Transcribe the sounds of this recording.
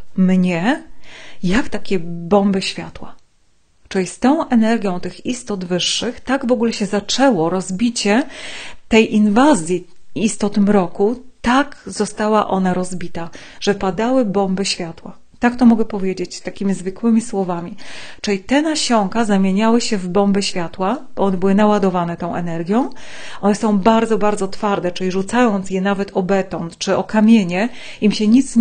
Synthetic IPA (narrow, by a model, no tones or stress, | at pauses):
mɲɛ | jakt̪akʲɛbɔmbɘɕfʲjat̪wa | t͡ʂɨlʲist̪ɔ̃w̃ʔɛnɛɾɡʲjɔ̃w̃t̪ɘxist̪ɔd̪vɘʂːɘxt̪aɡvɔɡulɛɕɛzat͡ʂɛwɔɾɔzbʲit͡ɕɛt̪ɛjʔinvazʲji | ist̪ɔt̪ɘmɾɔkut̪aɡz̥ɔst̪awaʔɔnaɾɔzbʲit̪a | ʐ̥ɛpad̪awɘbɔmbɘɕfʲjat̪wa | t̪akt̪ɔmɔɡɛpɔvʲjed͡ʑet͡ɕst̪akʲimʲizvɘkwɘmʲiswɔvamʲit͡ʂɘlʲit̪ɛnaɕɔŋkazamʲjeɲawɘɕɛvbɔmbɛɕfʲjat̪wab̥ɔɔnɛbɘwɘnawad̪ɔvanɛt̪ɔ̃w̃ʔɛnɛɾɡʲjɔ̃w̃ | ʔɔnɛsɔ̃w̃baɾd̪zɔbaɾd̪zɔt̪faɾd̪ɛt͡ʂɘlʲiʐut̪sajɔnt̪sjɛnavɛt̪ʰɔbɛt̪ɔnt̪t͡ʂɘɔkamʲjeɲɛ | imɕɛɲit̪s